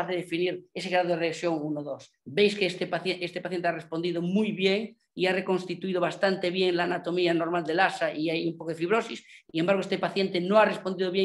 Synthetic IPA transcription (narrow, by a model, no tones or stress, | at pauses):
aθeðefiniɾe̞seɣɾaðoðeeesjo̞ŋunoðo̞s | bejskest̪epaθjeest̪epaθjent̪earespond̪ið̞omujβjeŋ | iare̞ko̞nst̪it̪uiðoβ̞ast̪ant̪e̞βje̞ŋlaːnat̪o̞mianoɾmald̪elasaʔiajumpokoefiβɾosisiŋembaɾɣoest̪epaθje̞nt̪e̞noarespond̪iðoβje